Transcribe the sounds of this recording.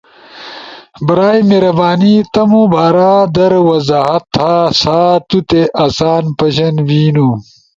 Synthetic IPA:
bɐɾaːjmeɾɐbaːnit̪ɐmubaːɾaːd̪ɐɾwɐzaːɦɐt̪ʰːaːsaːt̪ut̪eʔɐsaːnpɐɕɐnwiːnu

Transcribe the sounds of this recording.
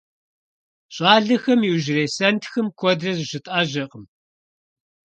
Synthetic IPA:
ɕʼaːɮɐxɐmiwʒɪreːsɐntʰxɨmkʷʰɔdrɐzʒɪtʼaːʑɐqʼəm

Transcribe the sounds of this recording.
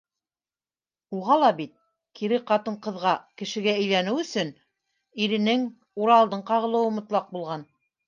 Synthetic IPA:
uʁɑlˠɑbit̪̚ | kiɾɘqɑt̪ɤɴqɤ̆ðʁɑkɘ̆ʃɘ̆ɡæɘ̆jlænɘwɵ̆sɵn | iɾɘ̆nɘŋ | uɾɑlˠd̪ɤɴqɑʁɤ̆lˠɤ̆wɤ̆mŏt̪lˠɑq̚bulˠʁɑn

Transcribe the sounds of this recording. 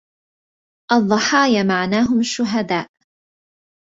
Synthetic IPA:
ʔɑðˤːɑħɑːjamaʕnaːɦʊmaʃːʊɦad̪aːʔ

